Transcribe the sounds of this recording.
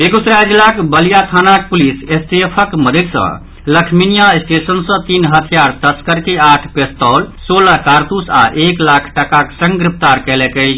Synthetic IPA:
ekut̪ɾad͡ʒilakbəlijat̪ʰanak̚pulisesʈ̪epʰəkməd̪ʱəd̪sə̰̃ | ləkʰminijaesʈesənsə̃t̪inɦət̪ʰijaɾt̪əskəɾkeaʈʰpest̪əlsolakaɾt̪usa̰ʔeklakʰʈəkaksə̃ŋɡɡɾip̚ʰt̪aɾkəlekə

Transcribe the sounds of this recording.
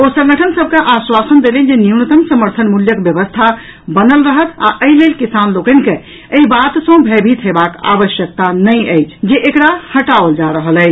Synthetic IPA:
osə̃ŋɡəʈʰənsəb̚ʱkeʔaswasənd̪elid͡ʒeniunət̪əmsəməɾt̪ʰənmuljəkbjəβəst̪ʰa | bənəlɾəɦət̪a̰ʔəilelkisanlokənke | əibat̪sə̃bʱebʱit̪ɦebaka̰ʋəʃjək̚t̪anəjəɪt͡ʃʰd͡ʒeʔekɽahəʈaold͡ʒaɾəɦələ

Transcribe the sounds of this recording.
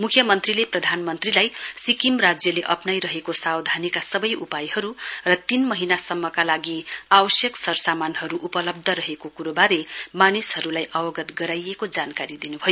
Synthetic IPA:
mukʰjʌmʌnt̪rileprʌd̪ʱanmʌnt̪rilajsikimrad͡zjʌleʔʌpnajɾʌɦekosawd̪ʱanikasʌbʌjʔupajhʌɾurʌt̪inmʌɦinasʌmːʌkalaɡiawʌsjʌksʌɾsamanɦʌɾuʔupʌlʌb̚d̪ʱʌɾʌɦekokuɾobaɾemanishɦʌɾulajʔʌbʌɡʌt̪ɡʌɾajekod͡zankaɾid̪inubʱʌjo

